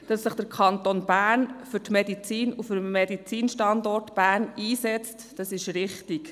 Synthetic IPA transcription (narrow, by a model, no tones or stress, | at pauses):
d̥ɑsːɪχd̥əɾkʰɑnt̪onb̥æːɾnfʏɾtmedit͡siːnufʏɾmmedit͡siːnʃtɑnd̪ɔrtb̥æːɾniːsɛt͡std̥ɑsɪʃɾɪχtik